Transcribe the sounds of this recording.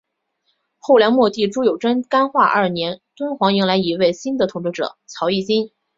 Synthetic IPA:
xo˥˩ʊljɑ˧˥ŋmwɔ˥˧t̪i˥˩ʈ͡ʂu˥jo˨˩ʊʈ͡ʂə˥nka˥nxwa˥˧ʔɐ̰˞˥˩njɛ˧˥nt̪wə˥nxwɑ˧˥ŋi˧˥ŋla˧˥ɪi˧˥we˥˩ɪɕi˥nd̪ə˨t̪ʰʊ˧˥ŋʈ͡ʂɻ̩˥˩ʈ͡ʂɤ̰˨˩˦t͡sʰjɑ˧˥ʊi˥˩t͡ɕi˥n

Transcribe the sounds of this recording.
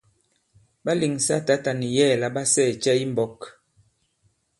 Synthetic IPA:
ba˦li˨ŋsa˦ta˦ta˨ni˨jɛ˦˨la˦ba˦sɛː˦˨t͡ʃɛ˦i˦m˦bɔ˨˦k

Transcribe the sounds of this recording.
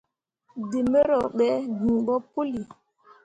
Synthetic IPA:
di˨me˦ɾɔ˨ɓɛ˦ɡĩ˨ɓɔ˦pu˦li˨

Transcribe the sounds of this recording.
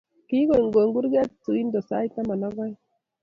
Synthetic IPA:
ki˦ɡo˨ŋɡo˨ŋɡu˦ɾɡɛ˦tt͡su˨i˦ndɔ˨sa̰˦jt̪a˦ma˨na˦ɡɔ˦j

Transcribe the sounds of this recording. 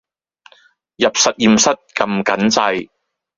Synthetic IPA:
jɐ˨p̚sɐ˨t̚jiː˧msɐ˥t̚kɐ˧mkɐ˨˥nt͡sɐ˧j

